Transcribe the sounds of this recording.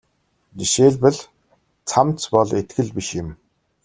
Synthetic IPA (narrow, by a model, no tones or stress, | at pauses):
niʃeːɮpɘ̆ɮ | t͡sʰamt͡spɔɮet̪̚ɡɘ̆ɮpiʃjɪ̆m